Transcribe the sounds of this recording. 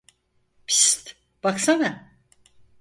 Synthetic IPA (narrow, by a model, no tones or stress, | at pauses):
pʰi̥st̪ | b̥aksana